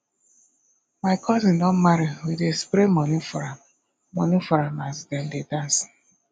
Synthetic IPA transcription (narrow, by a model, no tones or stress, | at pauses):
maɪkʰɔzĩndɔ̃nmaɾiwidespɾemɔnĩfɔɹam | mɔnĩfɔɹamasdɛ̃ndedãns